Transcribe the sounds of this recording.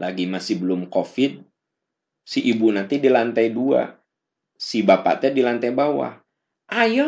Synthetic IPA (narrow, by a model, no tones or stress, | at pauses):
laɡimasibəlʊmkofid̪̚ | siʔibunat̪idilant̪ajdua̰ | sibapa̰t̪ɛdilant̪ajbawa̰ | ʔajɔ